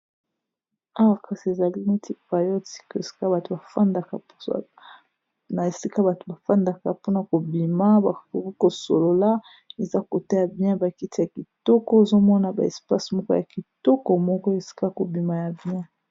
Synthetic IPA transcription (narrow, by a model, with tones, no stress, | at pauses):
a˦wa˨kʰa˨si˨e˨za˨li˦ni˦ti˦pa˨jo˦ti̥˦ke˨si̥˦ka˦ba˨to˨ba˨fa˦nda˨ka˨˦ | na˨e˨si˦ka˦ba˨to˨ba˨fa˦nda˨ka˨po˦na˨ko˨bi˨ma˦ba˨ko˨ki˦ko˨so̰˨lo˨la˦ | e˨za˦ko˨ta˦ja˨bi˦ã˦ba˨ki˦ti˦ja˨ki˨tɔ˦kɔ˦e˨zo˦mɔ˦na˨ba̰˨ɛ̰˨spa˦smɔ˦kɔ˦ja˨ki˨tɔ˦kɔ˨mɔ˦kɔ˦e˨si̥˦ka˦ko˨bi˨ma˨ja˨bi˦ã˦